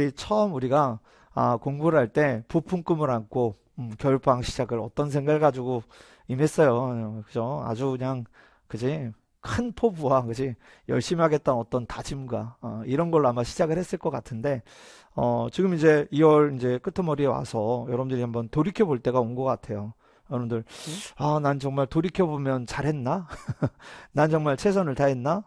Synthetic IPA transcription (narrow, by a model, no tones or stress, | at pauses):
ɾit͡ɕʰʌmuɾiɡa | akoŋbuɾaɭt͈e̞pupʰuŋk͈ɯmɯɾankʰo | kjʌɭbaŋɕʰid͡ʑaɡɯɾʌt͈ʌnsʰe̞ŋɡaɭɡad͡ʑuɡo | ime̞s͈ʌjokɯd͡ʑoa̰d͡ʑukɯɲaŋ | kɯd͡ʑi | kʰɯnpʰobuwakɯd͡ʑi | jʌɭɕ͈imɦaɡe̞t̚t͈ʌnʌt͈ʌntad͡ʑimɡaiɾʌnɡʌɭːoamaɕʰid͡ʑaɡɯɭhes͈ɯɭk͈ʌk͈atʰɯnde̞ | ʌt͡ɕiɡɯmid͡ʑe̞iwʌɾind͡ʑe̞k͈ɯtʰɯmʌɾiwa̰sʰʌjʌɾʌbundɯɾihambʌntoɾikʰjʌboɭt͈e̞ɡaonɡʌk͈atʰe̞jo | jʌɾʌbndɯɭanant͡ɕʌŋmaɭtoɾikʰjʌbomjʌnt͡ɕaɾɦe̞nːa | nant͡ɕʌŋmaɭt͡ɕʰe̞s̬ʰʌnɯɭtaɦenːa